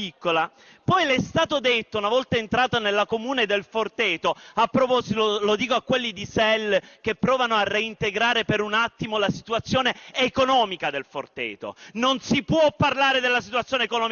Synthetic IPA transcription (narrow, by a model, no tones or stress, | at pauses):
ikːola | pɔjleɛst̪aːt̪od̪et̪ːounavɔlt̪aent̪ɾaːt̪anelːakomuːned̪elfort̪eːt̪oapːɾopɔzit̪olod̪iːkoakːwelːid̪isɛlk̟epːɾɔːvanoarːeint̪eɡɾaːɾepeɾunat̪ːimolasit̪uat̪sːjoːneːkonɔːmikad̪elfo̰rt̪ḛːt̪o̰nonsipwɔpːarlaːɾed̪elːasit̪uat̪sjoːneːkonɔːm